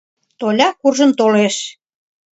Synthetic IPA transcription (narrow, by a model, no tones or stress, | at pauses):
t̪olʲɑkurʒə̆mt̪oleʃ